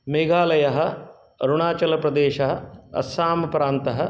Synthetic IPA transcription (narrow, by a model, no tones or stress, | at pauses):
meːɡaːlɐjɐɦɐ̆ | ɐɾuɳaːt͡ʃɐlɐpɾɐd̪eːʃɐɦɐ̆ɐ̰saːmɐpɾaːnt̪ɐɦɐ̆